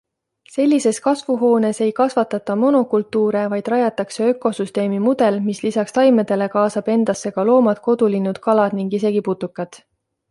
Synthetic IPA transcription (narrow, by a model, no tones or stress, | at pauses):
se̞lʲːise̞skɑsvuɦo̞ːne̞se̞jkɑsvɑt̪ːˑɑt̪ːˑɑmo̞no̞kult̪ːˑuːɾe̞vɑjd̪̥rɑjɑt̪ːˑɑkse̞ø̞kːˑo̞syst̪e̞ːmimud̪̥e̞lmislisɑkst̪ɑjmed̪̥e̞le̞kɑːsɑb̥e̞nd̪̥ɑsːe̞ɡ̥ɑlo̞ːmɑd̪̥ko̞d̪̥ulinːud̪̥kɑlɑd̪̥niŋɡise̞ɡ̥iput̪ːukːˑɑt̪